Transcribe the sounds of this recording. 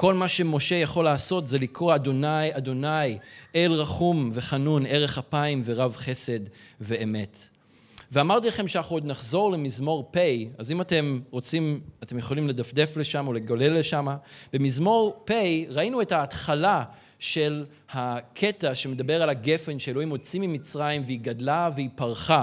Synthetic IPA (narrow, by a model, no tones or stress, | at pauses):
ko̞lmaʃe̞mo̞ʃe̞jaχo̞laːso̞t̪zelikʁoad̪o̞najad̪o̞najʔelʁaχumve̞χanune̞ʁe̞χhapaimve̞ʁavχe̞se̞d | ve̞ːme̞t | veamaʁt̪ilaχe̞mʃeanaχuod̪naχzo̞ʁlemizmo̞ʁpejazimate̞mʁo̞t͡simat̪e̞mjeχo̞limle̞d̪afd̪e̞fle̞ʃamaole̞ɡale̞lːeʃamab̥emizmo̞ʁpejʁainue̞thaːtχala | ʃe̞l | hakʰe̞taʃe̞me̞dabe̞ʁalaɡe̞fe̞nʃeeloimo̞t͡simimit͡sʁajimveiɡadlaveipaʁχa